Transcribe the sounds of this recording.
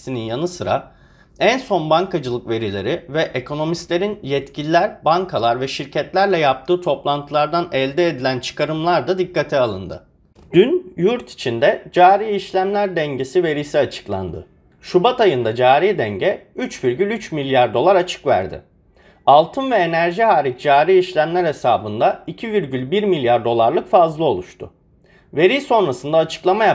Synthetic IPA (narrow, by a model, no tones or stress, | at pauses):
sininjanɯsɯɾa̰ | ænso̞nbaŋkʰad͡ʒɯlˠɯkve̞ɾilʲe̞̰ɾivɛʔekʰo̞no̞mist̪lʲe̞ɾinjɛt̪cʰilʲilʲæɾbaŋkʰalˠaɾvɛʃiɾcɛt̪lʲæɾlʲɛjap̚t̪ʰɯːt̪ʰo̞plˠant̪ʰɯlˠaɾd̪anɛlʲd̪ɛed̪ilʲænt͡ʃʰɯ̥kaɾɯmlˠaɾd̪ad̪ikːat̪ʰɛalˠɯ̰nd̪ɯ̰ | d̪̥ynjuɾt̪ʰi̥t͡ʃʰind̪ɛd͡ʒaːɾijiʃlʲæmlʲæɾd̪ɛɲɟe̞sive̞ɾijsiat͡ʃʰɯ̥klˠa̰nd̪ɯ̰ | ʃubat̪ajɯnd̪ad͡ʒaːɾijd̪ɛɲɟɛyt͡ʃviɾɟylʲyt͡ʃmilʲjaɾd̪o̞lˠaɾat͡ʃʰɯ̥kvæ̰ɾd̪ɪ̰ | alˠt̪ʰɯnvɛenæɾʒiɦaːɾic̚d͡ʒaːɾijiʃlʲæmlʲæɾhesaːbɯnd̪aicʰiviɾɟylʲbiɾmilʲjaɾd̪o̞lˠaɾlˠɯkfazlˠɯo̞lˠuʃt̪ʰʊ̰ | ve̞ɾijso̞nɾasɯnd̪aːt͡ʃʰɯ̥klˠamaja